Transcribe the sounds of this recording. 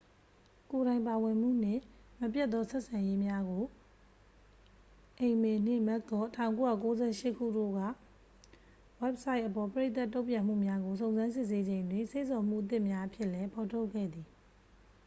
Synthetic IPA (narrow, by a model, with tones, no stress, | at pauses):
ko˨ɾã˨ɪ̃mpa˨wɪ̃˨m̥ṵ˦˨n̥ɪ̰̃˦˨məpjɛ˦t̪ːɔ˦sɛ˦ʔsã˨je˦mja˦ɡo˨ | ʔẽ˨ɪ̃mɛ˨n̥ɪ̰̃˦˨mɛ˦ʔ̚k̪ɔ˦tʰã˨ʊ̃ko˦ja̰˦˨ko˦zɛ˦˨ʃɪ˦ʔkʰṵ˦˨do̰˦˨ɡa̰˦˨ | wɛ˦p̚sa˦ɪʔəpɔ˨pəɹe˦t̪a˦˨tːo˦ʊ̃mpjã˨m̥ṵ˦˨mja˦ɡo˨s̬õ˨ʊ̃nzã˦ns̬ɪ˦˨s̬e˦d͡ʑẽ˨ɪ̃ndwɪ̃˦˨nse˦˨sɔ˨m̥ṵ˦˨ʔət̪̬ɪ˦˨mja˦ʔəpʰjɪ˦ʔlɛ˦pʰɔ˨tʰo˦ʊkʰːɛ̰˦˨d̪i˨